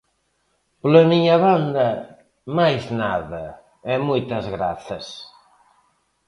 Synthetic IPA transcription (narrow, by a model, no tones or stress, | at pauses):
plemiɲaβand̪ɐ | majznaðɐ | ɛmujt̪ɐzɣɾaθɐs